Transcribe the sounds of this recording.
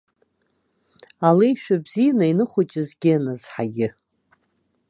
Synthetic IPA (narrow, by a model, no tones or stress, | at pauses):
alejʃᶣabzijanainɨχʷʊt͡ʃʼɪzɡʲɪnazħa̰ɡʲɪ